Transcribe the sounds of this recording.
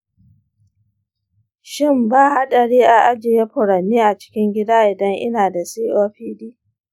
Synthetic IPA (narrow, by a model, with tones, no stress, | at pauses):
ʃɪ˦mbaː˦˨ha˦ɗɐ˨ɽiː˦ʔa˨ʔa˦d͡ʒɪ˨je˦ɸʊ˨ɾɐ˨nːiː˦ʔa˨t͡ʃɪ̥˦kʲɪ˦ŋɡʲɪ˦daː˦ʔɪ˨dɐ˦ŋʔɪ̰˦naː˨da˨siː˦ʔoː˦ɸiː˦diː˦